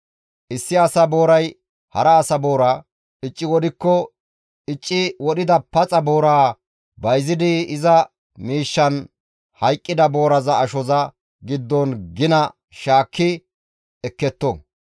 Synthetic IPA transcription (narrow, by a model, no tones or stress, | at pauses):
ʔɪsːɪɐsɐbo̞ːɾɐj | hɐɾɐːsɐbo̞ːɾa | ɪt͡ʃʼːɪwɔd̪ɪkːɔ | ɪt͡ʃʼːɪwɔɗɪd̪ɐpɐt͡sʼɐboːɾaː | bɐjzɪd̪ɪɪzɐ | miːʃːɐn | hɐjkʼːɪd̪ɐbo̞ːɾɐzɐːʃɔzɐ | ɡɪd̪ːɔnɡɪnɐ | ʃaːkːɪ | ɛkːɛt̪ːɔ